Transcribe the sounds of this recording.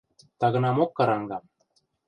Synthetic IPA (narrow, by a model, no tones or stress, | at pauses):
t̪ɑɣɤ̆nɑmokːɑɾɑŋɡɑ